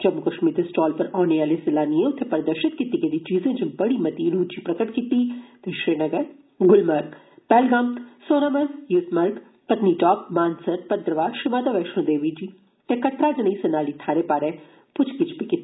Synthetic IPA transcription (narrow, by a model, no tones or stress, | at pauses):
d͡ʒɐmʊkɐʃmid̪esʈɔːlpɐɾɔːneʋaːlesɪlaːniẽʊt̪ʰːepɐɾɐd̪əɾʃɪt̪̚kit̪iɡed̪it͡ʃiːzẽd͡ʒɪ̃bɐɽimɐt̪iɾuːd̪d͡ʒipɾɐkəʈkit̪it̪eʃɾeːnɐɡəɾ | ɡʊlmɐɾk | pɛːlɡãːmt̪soːnamɐjʊsmɐɾɡ | pɐt̪niʈɔːpmaːnsəɾpɐd̪ɾəʋaːɾʃɪmaːd̪aʋɛːʃnõd̪eːʋiːd͡ʒiː | t̪ekɐt̪ɾaːd͡ʒɐnisɐnaːlit̪ʰaːɾepaːɾɛ̃ | pʊt͡ʃʰkɪt͡ʃʰpikɪt̪ːi